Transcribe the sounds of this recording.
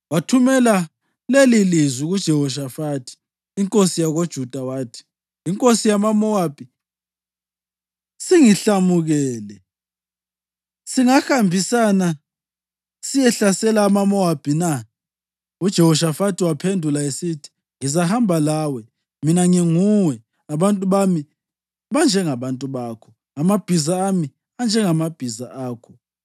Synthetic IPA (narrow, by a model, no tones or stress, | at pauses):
watʰumɛla | lelilizwiɣud̥ʒ̥ʱɛhɔʃ̬afaːtʰi̥ː | ŋkʼosijaɣod̥ʒ̥ʱud̥ʱawaːtʰi̥ː | ŋkʼosijamamɔwab̥ʱi | siŋiɬamuɣɛːlɛ | siŋaxambʱisana | sijɛɬasɛlaːmamɔab̥ʱina | ud̥ʒ̥ʱɛhɔʃafatʰiwapʰendʱulaesitʰi̥ | ŋizahambʱalawɛ | minaŋiŋuwɛ | aβantʼuβami | βand͡ʒʱɛŋaβantʼuβaːkʰɔ | amab̥ʱizaːmi | and͡ʒʱɛŋamab̥ʱizaaːkʰɔ